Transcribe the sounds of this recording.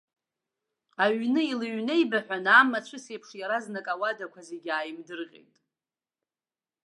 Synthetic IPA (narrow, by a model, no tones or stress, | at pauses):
aɥnɨilɨɥne̞jbaħʷᶣanaːmat͡ʃʷʰɨsepʰʂjaɾaznakʼawadakʷʰazeɡʲaːjmdɨrqʲʼḛjtʼ